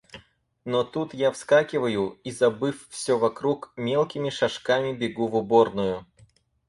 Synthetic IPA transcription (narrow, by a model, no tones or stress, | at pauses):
not̪ut̪jafskakʲɪvəjʊizɐbɨffsʲovɐkɾukmʲelˠkʲɪmʲɪʂɐʂkamʲɪbʲɪɡuvʊbornʊjʊ